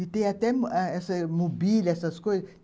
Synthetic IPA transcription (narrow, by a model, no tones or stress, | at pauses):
it̪eat̪ɛɛsəmobilʲɛsɐskoj